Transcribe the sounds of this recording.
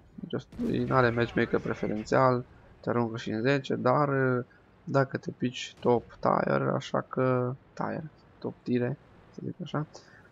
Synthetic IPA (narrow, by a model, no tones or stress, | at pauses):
nit͡ʃost̪naɾemet͡ʃmekəpɾe̞feɾʔent̪sial | t̪eaɾuŋkəʃiɨnze̞t͡ʃe̞̰d̪ar | d̪akət̪epit͡ʃʲt̪o̞pt̪a̰jḛra̰ʃa̰kət̪a̰jer | t̪o̞pt̪iɾe̞ | sezikaʃa